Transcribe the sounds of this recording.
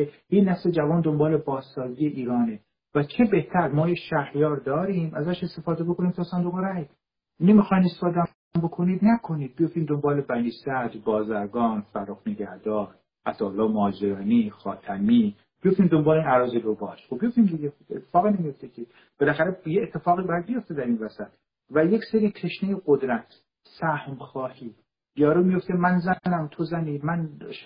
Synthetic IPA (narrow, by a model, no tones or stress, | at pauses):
ehinæfsed͡ʒævɒːnd̪ombɒːlebɒːzːɒːziːe̞ʔiːɾɒːne | væt͡ʃʰe̞be̞ht̪ʰæɾmɒːjeʃæhjɒːɾd̪ɒːɾiːmæzæʃe̞st̪efɒːd̪ebo̞kʰo̞niːmt̪ʰɒːsænd̪oɣeɾæjd̪ | nemixɒːjmest̪efɒːd̪ | mbo̞kʰoniːd̪nækʰo̞niːd̪̚bijoft̪iːmd̪ombɒːlebæniːsæd̪bɒːzæɾɡɒːnfæɾoxneɟæhd̪ɒːɾ | ʔæt̪ɒːolːɒːmoːd͡ʒeɾɒːnixɒːt̪ʰæmiː | b̥ijoft̪iːmd̪o̞mbɒːleinæɾɒːzelobɒːʃxob̚bijo̞ft̪imd̪iɟexobet̪ʰːe̥fɒːɣinemijo̞ft̪ecʲʰe | b̥elæxæɾejeːt̪ʰːe̞fɒːɣibæjæd̪bijo̞ft̪ed̪æɾinvæsæt̪ | væjecseɾiːt̪ʰeʃnejeɡod̪ɾæt̪ʰ | sæhmxɒːhiː | bijɒːɾoːmijo̞ft̪emænzænæmt̪ʰozæniːmænʃ